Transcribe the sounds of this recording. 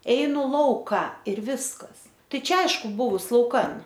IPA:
ˈɛɪnʊ ˈlˠɐʊkɐ ɪr ˈʋʲɪskɐs ˈtɐɪ ˈt͡ʃʲɛ ˈɐɪʃkʊ ˈbʊʋʊs lˠɐʊˈkɐn

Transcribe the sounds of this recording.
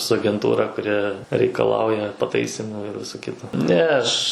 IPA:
sʊ ɐɡʲɛnˈtuːrɐ kʊˈrʲɪ rʲɛɪkɐˈlˠɐʊjɛ pɐˈtɐɪsʲiːmuː ɪr ˈʋʲɪsoː ˈkʲɪtoː nʲɛ ˈɐʃ

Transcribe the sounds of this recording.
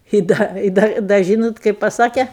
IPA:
ɪ ˈdɐ ɪ ˈdɐ dɐ ˈʒʲiːnoːt ˈkɐɪp pɐˈsɑːkʲɛ

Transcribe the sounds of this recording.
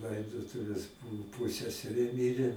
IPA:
ˈlˠɐɪdoːtʊʋʲeːs ˈbʊʋʊ ˈpʊsʲɛsʲɛrʲeː ˈmʲɪrʲeː

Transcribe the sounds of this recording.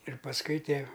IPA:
ɪr pɐsˈkʊɪ ˈtʲiɛ

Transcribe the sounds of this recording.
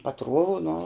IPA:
pɐˈtruɔʋʊ nʊ

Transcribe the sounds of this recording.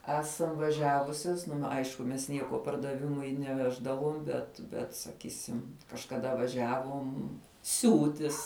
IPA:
ˈæːsɐm ʋɐˈʒʲæːʋʊsʲɛs ˈnʊ ˈɐɪʃkʊ mʲɛs ˈnʲiɛkoː pɐrdɐˈʋʲɪmʊɪ nʲɛˈʋʲæːʒdɐʋoːm bʲɛt ˈbʲɛt sɐˈkʲiːsʲɪm kɐʃkɐˈdɐ ʋɐˈʒʲæːʋoːm ˈsʲuːtʲɪs

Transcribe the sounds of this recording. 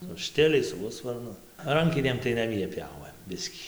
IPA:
sʊ ˈʃʲtʲɪlʲɛɪs sʊ ˈɣʊsʋɐrnʊ ˈrɐŋʲkʲɪnʲeːm tɐɪ nɐˈmʲiɛ ˈpʲjoːʋɘm ˈbʲɪsʲkʲiː

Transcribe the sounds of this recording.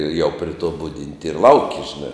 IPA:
jɛʊ pʲrʲɪ toː ˈbʊdʲɪnʲtʲɪ ɪr ˈlˠɐʊkʲɪ ʒʲɪˈnɐ

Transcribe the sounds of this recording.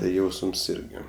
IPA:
tɐɪ ˈjɛʊsms ˈɪrʲɡʲɪ

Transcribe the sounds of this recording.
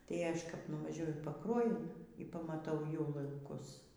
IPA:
tɐɪ ˈɐʃ kɐp nʊʋɐˈʒʲuɔjʊ iː pɐˈkruɔjʊn iː pɐmɐˈtɐʊ jɛʊ lˠɐŋˈkʊs

